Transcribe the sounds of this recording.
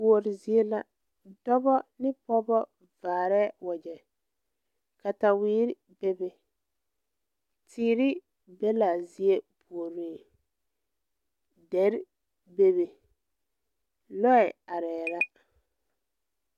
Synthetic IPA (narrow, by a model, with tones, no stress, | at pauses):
o˨ɾɪ˨zi˨e˦la˦ | dɔ˦bɔ˦nɪ˦pɔ˦bɔ˦ | vaː˨ɾɛː˦wɔ˨d͡ʒɛ˨ | ka˨ta˨wiː˦ɾɪ˦ | be˦be˨ | tʰiː˨˦ɾɪ˦ | be˦la˨zi˨˦e˦bu˨o˨ɾi˦˨ | dɛ˨˦ɾ | be˨βe˨ | lɔ˦ɛ˨a˨ɾɛː˨la˦